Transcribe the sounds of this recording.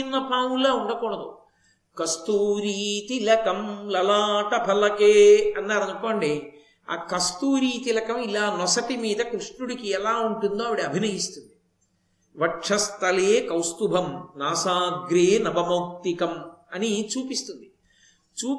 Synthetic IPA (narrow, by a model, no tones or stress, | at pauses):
inːɐpaːwulaːuɳɽɐkuːɽɐd̪ṵ | kɐst̪uːɾiːt̪ilɐkɐmlɐlaːʈɐpʰɐlɐkeːɐnːaːɾɐd͡ʒɐkːoːɳɖi | a̰ːkɐst̪uːɾiːt̪ilɐkɐmilaːnɔsɐʈimiːd̪ɐkɾuʂɳuɽikiɛlaːuɳʈund̪oːʋiɽiɐbʱinɐjist̪und̪i | ʋɐʈʂɐst̪ʰɐleːkɐwst̪ubʱɐmnaːsaːɡɾeːnɐbɐmɐwk̚t̪ikɐmɐnit͡ʃuːpist̪und̪i | t͡ʃuː